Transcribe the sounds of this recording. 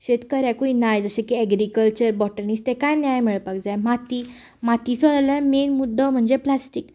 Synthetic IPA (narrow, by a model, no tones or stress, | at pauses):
ɕet̪kəɾãkuinajd͡zəɕẽkiɛɡɾikəlt͡ɕəɾbɔʈəniːst̪ekajnjajmiɭpakd͡zajmat̪i | mat̪isɔlalãmenmud̪ʱːəm̤əɳd͡zeplasʈik